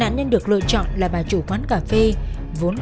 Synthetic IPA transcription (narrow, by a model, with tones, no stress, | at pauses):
a̰ː˧˨nɲə˧nɗɨ˨˩ək̚lɨ̰˧˨ət͡ɕɔ̰˧˨nlaː˨˩ɓaː˨˩t͡ɕu˧˩kwaː˨˦nkaː˧˩fe˧ | vo˨˦n